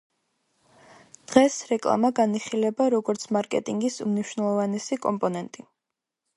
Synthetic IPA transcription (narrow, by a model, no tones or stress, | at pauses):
d̪̥ʁɛsɾɛkʼlˠa̰maɡaniχilɛbaɾɔɡɔɾt̪sʰmaɾkʼɛ̰t̪ʼiŋɡisumniʃwnɛlˠɔvanɛsikʼɔ̰mpʼɔnɛnt̪ʼi